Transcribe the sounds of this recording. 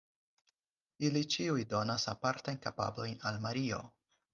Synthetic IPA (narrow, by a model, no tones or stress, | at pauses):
ilit͡ʃiujdo̞nasapaɾtajnkapa̰blo̞jnalmaɾio̞̰